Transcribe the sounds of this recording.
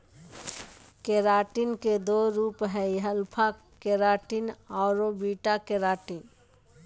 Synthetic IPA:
keɾaːʈinked̪oɾuːpɦɛiɦəlpʰa | keɾaːʈinaʊɾobiːʈakeɾaːʈin

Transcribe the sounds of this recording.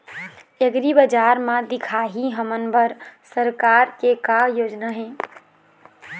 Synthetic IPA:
eɡɾibəd͡ʒaɾmãd̪ɪkʰaɦiɦəmənbəɾsəɾkaɾkekajoːd͡ʒnaɦɛ̃

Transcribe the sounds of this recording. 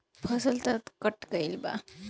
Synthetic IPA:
pʰʌsʌlt̪ʌt̪kʌʈkʌjlba̰

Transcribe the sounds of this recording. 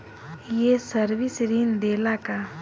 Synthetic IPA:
jesəɾʋisɾind̪eːlaka

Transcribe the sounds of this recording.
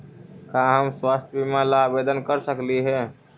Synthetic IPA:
kaɦəmswast̪ʰbimãlabed̪ənkəɾsəkliɦɛ̃

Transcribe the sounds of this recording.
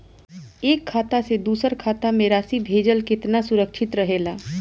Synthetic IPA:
eːkʰːaːt̪ased̪uːsəɾkʰaːt̪amẽɾaːsibʱeːd͡ʒəlkɪt̪nasʊɾəkʃʰɪt̪ɾəɦeːla

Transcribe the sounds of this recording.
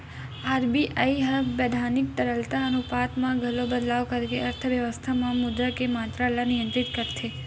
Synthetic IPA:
aɾbiʔaiɦəbed̪ʱanik̚t̪əɾəlt̪aənupat̪mãɡʱəlobəd̪laʋkəɾkeəɾt̪ʰəʋjəʋəst̪ʰamãmʊd̪ɾəkemat̪ɾalanɪjə̃nt̪ɾɪt̪kəɾt̪ʰe

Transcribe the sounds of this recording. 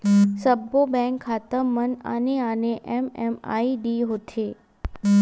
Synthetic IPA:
səbobɛ̃ŋkʰːaːt̪əməna̰neaːneʔɛmɛ̰ma̰ːiɖiɦot̪ʰeː

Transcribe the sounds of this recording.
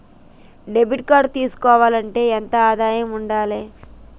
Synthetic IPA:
ɖebʱiʈ̚kaːɖt̪iːsu̥kɔːʋaːlɐɳʈe̞ːent̪ɐaːd̪aːjɐmuɳɖaːleː

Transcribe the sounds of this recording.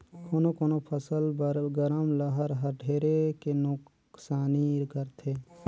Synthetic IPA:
kʰoːnokoːnopʰəsəlbɾɡəɾəmləɦəɾɦəɾɖʱeːɾekenʊk | saːniɾɡəɾt̪ʰeː

